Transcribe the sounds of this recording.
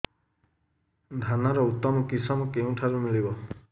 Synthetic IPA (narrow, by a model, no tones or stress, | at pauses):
d̪ʱanaɾɔut̪ːɔmɔkisɔmɔkeũʈʰaɾumiɭibɔ